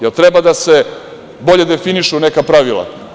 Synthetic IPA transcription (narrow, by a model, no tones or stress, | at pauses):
jelt̪ɾebad̪ase̞ | bo̞ʎe̞d̪e̞finiʃunekapɾaʋilˠa̰